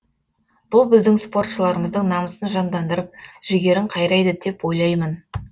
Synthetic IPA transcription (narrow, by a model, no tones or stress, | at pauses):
b̥ʊlˠbɪzd̪ɪŋspo̞rt̪ʃəlˠɑɾəməzd̪əɴnɑməsənʒɑnd̪ɑnd̪əɾəp̚ʒ̥ɪɡʲe̞ɾɪɴqʰɑjɾɑjd̪əd̪e̞pwo̞jlˠɑjmən